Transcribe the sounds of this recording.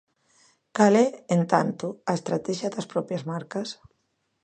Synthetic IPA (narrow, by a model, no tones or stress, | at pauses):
kalɛent̪ant̪uaest̪ɾat̪ɛʒiad̪ɐspɾɔpjazmaɾkɐs